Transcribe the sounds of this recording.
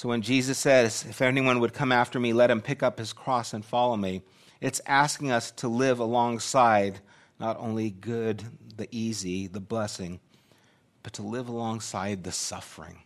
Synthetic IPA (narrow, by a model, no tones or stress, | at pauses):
soʊwɨ̃nd͡ʒizɨsɛɾzɨfɛniwʌ̃nwəd̚kʰʌ̃mæftə˞milɛt̚hɨ̃mpʰɪkʌphɨz̥kʰɹ̥ɔsə̃nfɑlˠoʊmi | ɨtsæskɪ̃ŋʌstʰəlɪvəlɔ̃ŋsaɪdⁿ | nəɾʔõ̰ʊ̃nliɡʊd̪̚ðiʔiziðəblɛsɪ̃ŋ | b̥ʌtʰəlɪvəlɔ̃ŋsaɪd̪̚ðɨsʌ̰fə˞ɪ̰̃ŋ